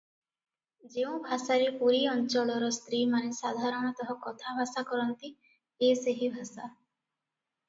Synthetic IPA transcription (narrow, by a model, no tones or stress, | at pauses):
d͡ʒeũbʱasaɾepuɾiɔnt͡ʃɔlɔɾɔst̪ɾimanesad̪ʱaɾɔɽ̃ɔt̪ɔɦɔkɔt̪ʰabʱasakɔɾɔnt̪i | eseɦibʱasa